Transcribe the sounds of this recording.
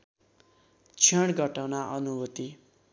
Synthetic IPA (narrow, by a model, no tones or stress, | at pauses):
t͡sʰʌɽɡʌʈawnaʔʌnubʌt̪i